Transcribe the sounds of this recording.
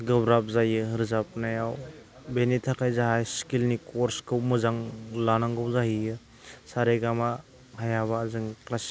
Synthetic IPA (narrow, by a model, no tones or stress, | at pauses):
ɡɐbɾap̚zajɯɦɯɾzap̚najaw | benitʰakʰajzaɦajskilnikɔɾskɯwmɯzaŋlanaŋɡɯwzaɦijɯ | saɾeɡama | hajaβaːzɯŋklas